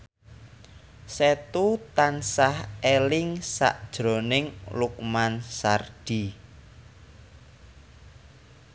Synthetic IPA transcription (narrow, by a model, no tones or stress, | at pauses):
set̪ut̪ansahelɪŋsa̰ʔd̥ʒ̥ɾo̤nɪŋluk̚mansard̥i